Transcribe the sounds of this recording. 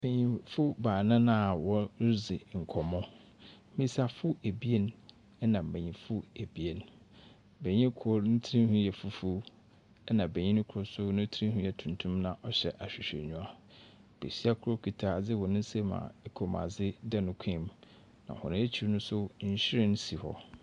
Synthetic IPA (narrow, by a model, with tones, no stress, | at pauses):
bẽ˨ɲĩ˨fʊ˦baː˨nã˦nã˦˨wɔ˦zɪ˨ŋ̩˨kʰɔ˨mɔ̃˦ | mĩ˦sa˨fʊ˦e˨bi˦e˦n | ɛ˦nã˨m̩˨bẽ˨ɲĩ˨fʊ˦e˨bi˨e˨n | be˨ɲĩ˦kʰʊ˦ɾn̩˦tʰi˦ĩ˦hũ˦jɛ˨fu˦fu˦ | ɛ˦nã˨be˨ɲĩ˦nʊ̃˦kʰʊ˨˦ʊ˨sʊ˦nʊ̃˦tʰɾĩ˦hũ˦jɛ˨tʰũ˨ntʰũ˦mnã˨ʔɔ˦ɕɛ̰˨ʔa˨ɕᶣɪ˨ɕᶣḛ˨ɲũ˦a˦ | b̥ḛ˨ɕi˦a˦kʰʊ˦ɾo˦kʰi˨tʰa˨d͡zɪ˦wɔ˨nʊ̃˦n̩˦se˦mã̰˨ɛ˦kʰo˨mã̰˨d͡zɪ˦dɛ˦nʊ̃˦kʷʰĩ˦˨m | nã̰˨hɔ̰̃˨nʊ̃˦e˦t͡ɕʰi˦ɾnʊ̃˦sʊ˦ɕɪ˦ɾɪ̃˦n˦si˨hɔ˦